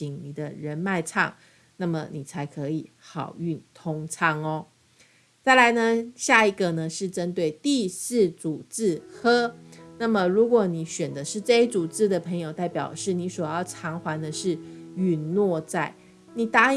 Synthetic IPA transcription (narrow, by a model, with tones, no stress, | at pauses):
i˨ŋni˨˩d̪ə˦ɻə˧˥nma˥˧ɪt͡sʰɑ̰˥˩ŋ | na˥˩mə˩ni˨˩t͡sʰa˧˥ɪkʰɤ˧˦i˨˩˦xɑ˨˩ʊy˥˨nt̪ʰo˥ŋt͡sʰɑ˥ŋɔ˦ | t͡sa˥˩ɪla˧˥ɪnə˧ɕja˥˩i˧ɡə˨nə˦ʂɻ̩˥˩ʈ͡ʂə˦nt̪we˥˧ɪt̪i˥˧sɹ̩˥˩t͡su˨˩t͡sɹ̩˥˩xɤ˥na˥˩mə˨ɻu˧˥kwɔ˨˩˦ni˨˩˦ɕɥɛ˨˩nd̪ə˦ʂɻ̩˥˧ʈ͡ʂɤ˥˧i˥t͡su˨˩t͡sɹ̩˥˩d̪ə˨pʰə˧˥ŋjo˨˧ʊt̪a˥˩ɪpjɑ˨˩ʊʂɻ̩˥˩ni˧˥swɔ˨˩jɑ˥˩ʊʈ͡ʂʰɑ˧˥ŋxwa˧˥nd̪ə˧ʂɻ̩˥˩y˨˩nnwɔ˥˧t͡sa˥˩ɪ | ni˨˩t̪a˥